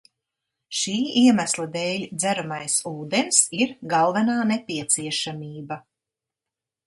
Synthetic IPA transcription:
ʃiːiɛmæslˠad̪ɛːlʲd̪zæɾamajsuːd̪ensiɾɡalˠvɛnaːnepʲiɛt̪siɛʃamʲiːba

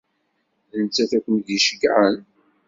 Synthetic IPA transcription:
ənt͡sːæθækʷːmdiʃəkːʕən

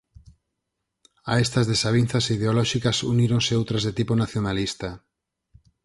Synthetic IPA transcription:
aest̪azðesaβ̞in̟θasiðeolɔʃikasuniɾonseowt̪ɾazðet̪iponaθjonalist̪a

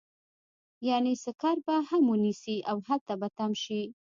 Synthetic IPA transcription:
janesəkɑɾbahamunisiʔawhat̪abat̪amʃi

